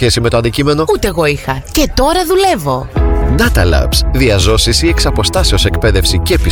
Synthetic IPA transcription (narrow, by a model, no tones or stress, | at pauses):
çe̞simet̪oɐnd̪icime̞no̞ut̪eːɣo̞ixɐce̞t̪o̞ɾɐðule̞vo̞nɐt̪ɐlɐ̰psðiɐzo̞sisieksɐpo̞st̪ɐseo̞sekpe̞ðe̞fsicepi